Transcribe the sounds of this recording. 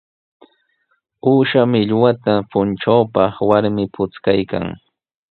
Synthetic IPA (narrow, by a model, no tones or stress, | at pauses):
uːʃamɪʎwat̪apʊnʈ͡ʂawpɑχwaɾmɪpʊt͡skajka̰ŋ